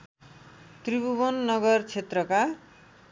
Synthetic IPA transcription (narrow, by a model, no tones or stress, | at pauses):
t̪ribubonːʌɡʌrt͡sʰet̪rʌka